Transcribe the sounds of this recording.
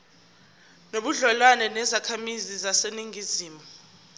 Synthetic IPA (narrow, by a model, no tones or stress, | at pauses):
noɓuɮɔlwanɛnɛzakʰamizizaseniŋiziːmɔ